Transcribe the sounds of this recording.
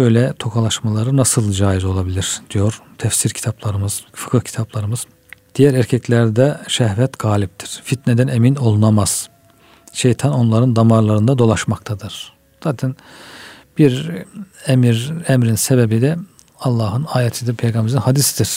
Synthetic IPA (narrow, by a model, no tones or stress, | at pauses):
ø̞jlʲɛt̪ʰo̞kʰalˠaʃmalˠaɾɯnasɯlˠd͡ʒaːjizo̞lˠabilʲiɾ̥d̪̥ijo̞ɾ̥t̪ʰɛfsiɾcʰi̥t̪ʰaplˠaɾɯmɯz̥fɯ̥kʰɯhcʰi̥t̪ʰaplˠaɾɯmɯz̥ | d̪̥ijæɾæɾcʰɛclʲæɾd̪ɛʃɛhvɛt̪ɡ̥aːlʲip̚t̪ʰiɾ̥fit̪ned̪ænemino̞lˠunamaz̥ | ʃejt̪ʰano̞nlˠaɾɯnd̪amaɾlˠaɾɯnd̪ad̪o̞lˠaʃmak̚t̪ʰad̪ɯɾ̥ | z̥aːt̪ʰɛn | b̥iɾ | ɛmiɾɛmɾinsebebid̪ɛ | ɑlˠːaːɦɯnaːjɛt̪ʰid̪ipʰejɡambɛɾzinhad̪isid̪iɾ̥